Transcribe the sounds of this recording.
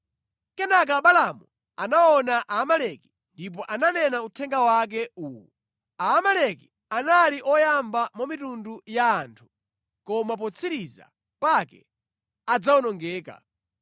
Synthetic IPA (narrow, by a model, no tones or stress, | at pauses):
kɛnak̬aɓalamu | anaɔnaʔaːmalɛki̥ | ndip̬ɔʔananɛnautʰɛŋɡawak̬ɛuːwɔ | aːmalɛki | analiʔɔjambamɔmitundujaːntʰu̥ | kɔmap̬ɔt͡sʰiɾiza̰ | pakɛ̰ | ad͡zawɔnɔŋɡɛːka̰